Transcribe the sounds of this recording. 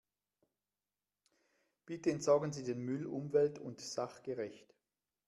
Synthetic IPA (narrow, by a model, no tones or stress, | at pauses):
b̥ɪtəɛntsaːɡən̩ziːdeːnmʏlʊmvɛltʰʊ̰ntz̥aχɡ̥əʁɛçt